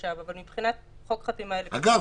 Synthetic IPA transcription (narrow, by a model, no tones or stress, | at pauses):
avavalmibpχinat | χo̞kχat̪imaelaɡav